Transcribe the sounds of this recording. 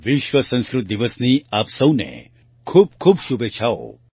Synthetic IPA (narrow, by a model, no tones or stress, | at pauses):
ʋɪʃʋəsə̃ñskɾʊt̪̚d̪iʋəsniaːpsəʋnḛ | kʰuːb̚kʰuːbʃubʱet͡ʃʰao̰